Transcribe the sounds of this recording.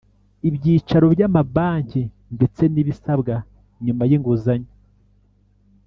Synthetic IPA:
ibɟiːt͡ʃaɾo̞bɟamabaːɲci | nde̞t͡se̞niβisabɡa | ɲuːmajiŋɡuzaɲo

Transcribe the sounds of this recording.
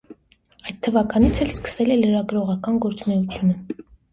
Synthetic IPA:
ɑjt̪̚t̪ʰːəvɑkɑnit͡sʰɛlskə̥sɛlɛləɾɑɡɾɔʁɑkɑnɡɔɾt͡snɛut͡sʰjunə

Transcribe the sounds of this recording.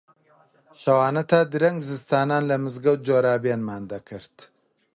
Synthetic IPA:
ʃɐwaːnɐt̪ʰaːd̪ɨɾɐŋɡzɨst̪aːnaːnlɐmɨzɡɐwt̪̚d͡ʒoːɾaːbeːnmaːnd̪ɐkʰɨɾt̪

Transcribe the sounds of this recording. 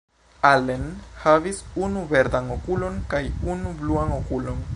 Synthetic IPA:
alenhavisunuve̞ɾdano̞kulo̞nkajunubluano̞kulo̞n

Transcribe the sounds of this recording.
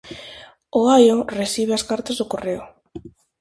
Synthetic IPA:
oajoresiβeaskaɾt̪azðokoreo

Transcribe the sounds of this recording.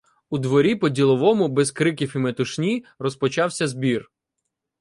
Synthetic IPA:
ud̪ʋɔɾʲipɔdʲilˠɔʋɔmʊbɛzkɾɪkʲifimet̪ʊʃnʲirɔspɔt͡ʃɑwsʲɐzbʲir

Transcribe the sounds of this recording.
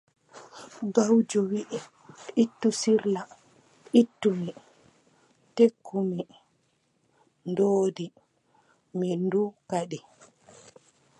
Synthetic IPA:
ɡawd͡ʒɔwiʔɛ | itːusiɾla | itːumi | tekʰːumi | ndoːdi | mindukaɗi

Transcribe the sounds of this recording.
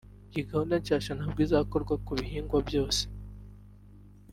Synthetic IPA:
ciɡahonaɲcaːʃanabɡizako̞ɾɡwakuβiɦiːŋɡwabjo̞ːse̥

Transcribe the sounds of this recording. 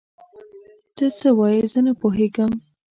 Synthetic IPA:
t̪ət͡səwɑjəzənapoɦeɡəm

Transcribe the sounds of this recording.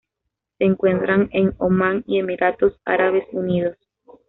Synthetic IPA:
seːŋkwe̞nt̪ɾaŋeŋomaŋie̞miɾat̪osa̰ɾaβe̞suniðos

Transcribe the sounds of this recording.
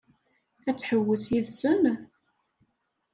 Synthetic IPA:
æt͡sːħəwːəsiðsən

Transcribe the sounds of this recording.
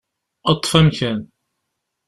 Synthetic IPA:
ət̪ˤːfæmçæn

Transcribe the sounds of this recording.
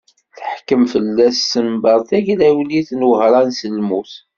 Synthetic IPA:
θəħkəmfəlːæsːəmbəɾˤθæʝlæwliθnwəhɾˤɑnsəlmuθ

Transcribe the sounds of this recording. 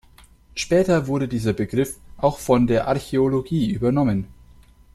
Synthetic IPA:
ʃpɛːtɐvʊɐɾədiːzɐbəɡʁɪfʔaʊxfɔndeːɐʔaɐçeoloɡiːʔyːbɐnɔmən

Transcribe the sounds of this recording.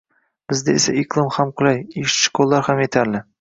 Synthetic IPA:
b̥ɪzd̪aesaiklˠɨmhamqʰʊlajiʃʃɪ̥kʰolˠːaɾhamet̪ʰaɾlɪ

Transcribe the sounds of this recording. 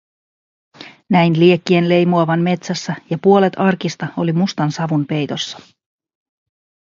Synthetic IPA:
næjnliekːie̞nle̞jmuɑʋɑnme̞t̪sæsːæjɑpuo̞le̞t̪ɑrkist̪ɑo̞limust̪ɑnsɑʋunpe̞jt̪o̞sːɑ̥

